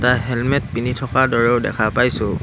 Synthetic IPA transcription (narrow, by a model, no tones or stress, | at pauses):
taɦɛlmɛt̚pinitʰɔkadɔɹɛʊdɛ̰kʰapajsʊ